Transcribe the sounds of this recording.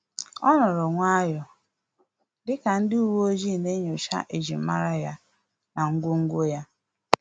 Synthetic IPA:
ɔ˦nɔ˨ɾɔ˨ŋʷa˦jɔ˨ | dɪ˦ka˨n̩˦dɪ˦u˦wo˦zi˦˨ne˦ɲo˨ʃa̰˦ʔe˨d͡ʒḭ˨m̩˦ma̰˦ɾa˦ja˦ | na˨ŋ̩˦ɡʷʊ˦ŋ̩˦ɡʷo˦ja˦

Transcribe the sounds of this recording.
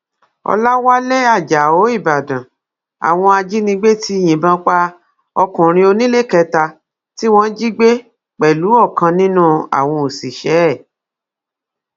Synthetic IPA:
ɔ̰˧la˦wa˦le˦a˦˨d͡ʒa˨o˨˦i˦˨ba˨dã˨ | a̰˨w̃ɔ̃˧a˧d͡ʒi˦nĩ˧ɡ͡be˦ti˦j̃ĩ˨bã˦k͡pa˦ | ɔ˧kũ˨ɾ̃ĩ˧o˧nĩ˦le˦˨kɛ˧ta˧ | ti˦w̃ɔ̃˦d͡ʒi˦ɡ͡be˦ | k͡pɛ˨lu˨˦ɔ˦˨kã˧nĩ˦nũ˦a̰˨w̃ɔ̃˧o˨si˨ʃɛ˨˦˨

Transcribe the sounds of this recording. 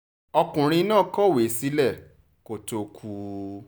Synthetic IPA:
ɔ˧kũ˨ɾ̃ĩ˧˦nãː˦˨kɔ˦˨we˨˦˨si˨˦lɛ˦˨ | ko˨to˨kʰu˨˦

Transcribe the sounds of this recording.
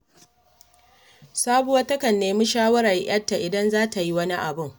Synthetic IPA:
saː˦bu˦wɐ˦tɐ˦kɐ˨nːeː˦mu˦ʃaː˦wɐ˦ɾa˨ʔj̰ɐ˦tːa˨ʔɪ˨dɐ˦nzaː˦ta˨ji˦wɐ˦ni˦ʔa˨bʊ˦˨ŋ

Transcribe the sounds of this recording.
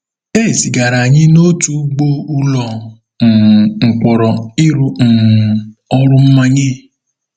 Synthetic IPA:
e˦˨si˨ɡa˨ɾa˨ɲɪ˦no˦tu˦ɡ͡bo˦u˦lɔ˨ | n̩˨ŋ͡m̩˨k͡pɔ˨ɾɔ˨ɪ˦ɾʊ˦n̩˨ | ɔ˦ɾʊ˦m̩˦ma˦ɲe˦

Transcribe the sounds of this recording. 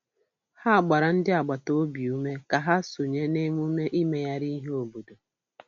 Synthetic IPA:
ha˦a˨ɡ͡ba˨ɾa˨n̩˦dɪ˦a˨ɡ͡ba˨to˦o˦bi˨u˦me˦ka˨ɦa˦so˨ɲe˦ne˦m˦u˦me˦ʔi˦me˦ja˦ɾi˦ɦe˦o˨bo˨do˨

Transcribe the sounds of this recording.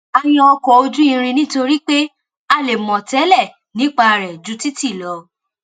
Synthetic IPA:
a˧j̃ɔ̃˧ɔ˧kɔ˨˦o˧d͡ʒu˦ĩ˧ɾ̃ĩ˧nĩ˦to˧ɾi˦k͡pe˦ | a˦˨le˨mɔ̃˨tɛ˨˦lɛ˦˨ | nĩ˨˦k͡pa˧˨ɾɛ˨d͡ʒu˨˦ti˦ti˦˨lɔ˨˧˦

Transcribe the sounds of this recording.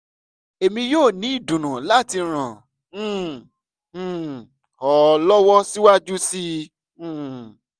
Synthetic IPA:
e˨mĩ˧joː˦˨nĩ˨˦i˦˨dũ˨nũ˨la˦˨ti˧ɾ̃ã˨˦˨ | ɔ˨lɔ˦wɔ˦si˦wa˦d͡ʒu˦sĩ˦˨

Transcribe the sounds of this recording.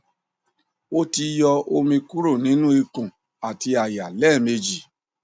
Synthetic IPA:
o˦ti˧jɔ˧o˧mĩ˧ku˦ɾo˦˨nĩ˨˦nũ˦i˧kũ˨ | a˨ti˧a˨ja˨lɛ˦˨me˧d͡ʒi˨

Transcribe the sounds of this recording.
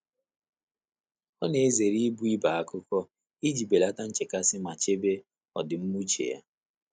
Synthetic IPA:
ɔ˦ne˨e˦ze˨ɾi˦bu˦i˦ba˨a˦kʊ˦kɔ˦ | i˦d͡ʒi˨be˨la˦ta˦n̩˦t͡ʃe˨ka˦sɪ˦ma˨t͡ʃe˦be˦ | ɔ˨dɪ˨m̩˦mu˦t͡ʃḛ˨ja̰˦

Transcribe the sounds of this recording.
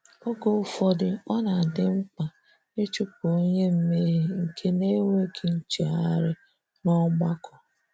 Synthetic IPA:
o˦ɡo˨ʊ˨fɔ˦dɪ˨ɔ˦na˨dɪ˦ŋ͡m̩˦k͡pa˨ | e˦t͡ʃu˦po˦ɲe˦m̩˦me˦ɦe˨ŋ̩˨kʰe˦ne˦we˦kʰe˨n̩˦t͡ʃe˨a˦ɾɪ˦ | nɔ˦ɡ͡ba˦kʰɔ˨

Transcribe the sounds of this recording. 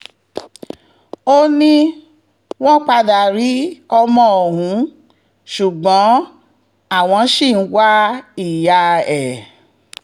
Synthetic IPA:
o˦nĩ˦ | w̃ɔ̃˦k͡pa˧da˨ɾi˨˦ɔ˧mɔ̃˧o˨ɦũ˨˦ | ʃu˨ɡ͡bɔ̃˨˦ | a˦˨w̃ɔ̃˧˦ʃi˦˨n̩˦wa˦i˨ja˧ɛ˨

